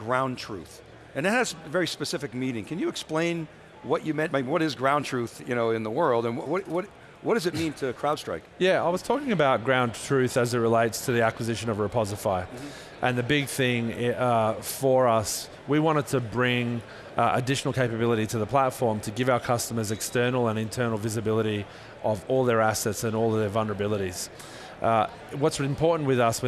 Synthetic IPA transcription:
ɡ̥ɹãʊ̃ntʰɹ̥ʉ̰θ | ɨ̃nðɨtætsvɛɹispɨsɪfɨk̚miɾɪ̃ŋkʰɨ̃njɨːksplẽɪ̃n | wʌt͡ʃɨmɛ̃n̚meɪwʌɾɨzɡɹãʊ̃ntʰɹ̥ʉθjɨñoʊɨ̃nðəwɜ˞lˠdə̃nwwʌwʌɾ | wʌd̥ʌzɨt̚mĩntʰɨkʰɹ̥aʊd̥stɹ̥a̰ɪkjæa̰ɪwʌz̥tʰɔkɪ̃ŋɨbaʊt̚ɡ̥ɹãʊ̃ntʰɹ̥ʉθɨzɨt̚ɹəleɪtstʰɨðiækwɨzɪʃɨ̃nʌvɹɨpʰɑzəfaɪ | ʔɨ̃nðɨbɪɡ̚θɪ̃ŋ | fə˞ʌs | wiwɑ̃ɾ̃ɨd̚tʰɨbɹɪ̃ŋ | ʔɨ̰dɪʃn̩l̩ˠkʰeɪpɨbɪlˠəɾiɾɨðəpʰl̥ætfɔɹmtʰɨɡɪvaʊə˞kʰʌstəmə˞zɨkstɜ˞nl̩ˠə̃nɨ̃ntʰɜ̃˞nl̩ˠvɪzɨbɪlˠəɾi | ʔʌvɔlˠðə˞æsɛtsɨ̃nɔlˠʌðə˞vʌlˠnə˞əbɪlˠəɾiz̥ | ʔ | wʌtsɨ̃m̩pʰɔɹʔn̩ʔwɨðʌs

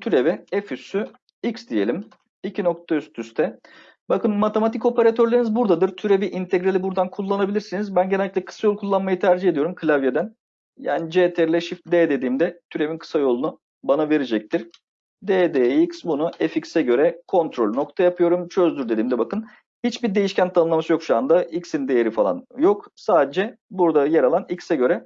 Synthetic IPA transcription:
t̪ʰyɾevɛefysy | iksd̪ije̞̰lʲim | icʰino̞k̚t̪ʰayst̪ʰyst̪ʰɛ | bakɯnmat̪ʰe̞mat̪ʰico̞peɾat̪ʰøɾlʲeɾinizbuɾd̪ad̪ɯɾt̪ʰyɾe̞viʔint̪ʰeɡɾelʲibuɾd̪ankʰulˠːanabilʲiɾsinizbænɟenɛlʲːiclʲɛkʰɯ̥sajokʰulˠːanmajɯt̪ʰæɾd͡ʒihe̞d̪ijo̞ɾumkʰɯlʲavjed̪æn | ja̰ːnid͡ʒeːt̪ʰɛɾlʲɛʃift̪d̪ɛd̪e̞d̪iːmd̪ɛt̪ʰyɾe̞minkʰɯ̥sajo̞lˠunu | banave̞ɾid͡ʒɛc̚t̪ʰiɾ̥ | d̪eːd̪eicsbunuʔeficsɛɟø̞ɾɛkʰo̞nt̪ɾo̞lʲno̞k̚t̪ʰajapʰɯjo̞ɾumt͡ʃʰø̞zd̪yɾd̪e̞d̪iːmnd̪ɛbakɯn | hit͡ʃbiɾd̪e̞jiʃcʰænt̪ʰanɯnˠamasɯjo̞kʃuand̪aicsind̪e̞jeɾifalˠa̰njo̞ksaːd̪ed͡ʒɛbuɾd̪ajeɾalˠanicsɛɟø̞ɾɛ

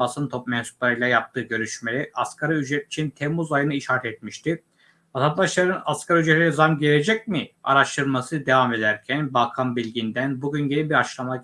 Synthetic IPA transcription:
basɯnt̪ʰo̞p̚mɛnsu̥plˠaɾɯjlˠajap̚t̪ʰɯːɟø̞ɾyʃme̞lʲɛʔaskʰaɾayd͡ʒɾɛt̪i̥t͡ʃʰint̪ʰemːuzajɯnɯiʃhaːt̪ʰɛt̪̚miʃt̪ʰɪ | at̪ʰanaʃlˠaɾɯnaskʰaɾayd͡ʒɾet̪ʰʲinɛzamɟe̞lʲed͡ʒɛc̚mia̰ɾaʃt̪ʰɯɾmasɯd̪e̞vame̞d̪æɾcʰænbalˠkʰanbilʲɟind̪ænbuɟynɟe̞lʲibiɾat͡ʃlˠama

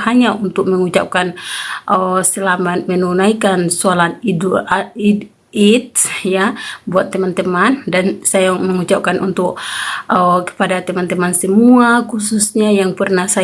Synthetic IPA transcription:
haɲaʔunt̪ʊk̚məŋut͡ʃa̰p̚kanʔəsəlamat̪̚mənunaikansualanidi | it̪̚jabuat̪ːəmant̪əmandansajaməŋut͡ʃap̚kanʔunt̪ʊk̚ʔəkə̥padat̪əmant̪əmansəmuakususɲajaŋpərnahsa

